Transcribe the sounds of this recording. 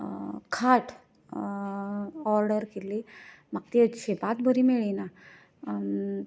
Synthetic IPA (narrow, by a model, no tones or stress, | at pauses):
kʰaʈ | ɔɾɖəɾkelimaɡ̚t̪eɕepat̪̚bʱəɾimeɭina